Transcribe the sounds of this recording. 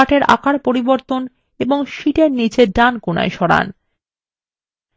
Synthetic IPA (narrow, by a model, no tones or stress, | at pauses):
aʈeɾa̰kaɾpoɾiboɾt̪on | eboŋʃiʈeɾnit͡ɕeɖankona̰eʃɔɽa̰n